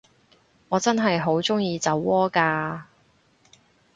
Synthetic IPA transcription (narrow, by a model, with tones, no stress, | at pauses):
ɔː˨˧t͡sɐ˥nɦɐ˨jɦo˨˥wt͡sʊ˥ŋjiː˧t͡sɐ˨˥wːɔː˥kaː˧